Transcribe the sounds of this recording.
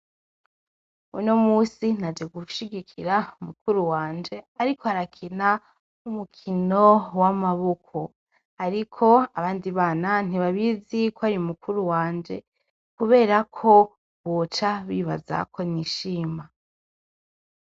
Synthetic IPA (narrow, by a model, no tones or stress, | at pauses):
uino̞muːsinad͡ʒe̞ɡuʃiɡikʰiɾaumukuɾuwaːnd͡ʒe̞aɾikʰoaɾakʰina | umukʰinowamaβokʰo | aɾikʰo̞aβaːndiβaːnan̥iβaβizikwoaɾiumukʰuɾuwaːnd͡ʒe̞̰ | kuβe̞ːɾakʰo̞ | βot͡ʃaβiːβa̰za̰kʰo̞niʃiːma